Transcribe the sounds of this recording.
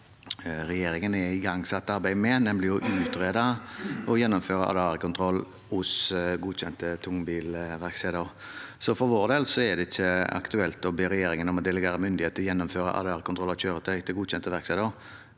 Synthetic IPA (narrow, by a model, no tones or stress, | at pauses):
ɾɛjeːɾɪŋənɛɪɡɑŋːsɑt̪ːɑɾbæɪmɛnɛnmlɪjʊʔʉːt̪ɾeːd̪ɑɔjɛnːɔmføːʁəɑ̰d̪əɑːɾəkʰʊnt̪ʰɾɔlː | hʊsɡuːçɛnt̪ət̪ʰʊŋːbiːlʋæʁkseːd̪əʁ | sɔfɔɾʋoːʁd̪eːlsɔɛd̪ɛɪçːəɑ̰kt̪ʉɛlt̪ɔbøːɾɛjeːɾɪŋənɔmɔd̪ɛlɛɡeːɾəmʏnd̪ɪheːt̪əɾjɛnːɔmføːɾə̰ʔɑ̰d̪ɑːɾəkʊnt̪ʰʁɔlːɑɕøːɾət̪ʰæɪt̪ʰɪlɡuːd̪ɕɛnt̪əʋæɾksɛd̪əʁ